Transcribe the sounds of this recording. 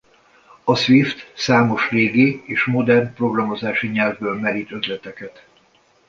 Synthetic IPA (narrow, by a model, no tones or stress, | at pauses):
ɒsʋift̪saːmo̞ʃleːɡieːʃmo̞d̪ɛrnpro̞ɡrɒmo̞zaːʃiɲɛlvbøːlmɛɾit̪ø̞zlɛt̪ɛkɛt̪